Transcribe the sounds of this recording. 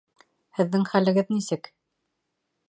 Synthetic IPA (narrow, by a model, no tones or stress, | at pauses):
hɘ̆ðːɘŋχælɘ̆ɡɘðnisɘk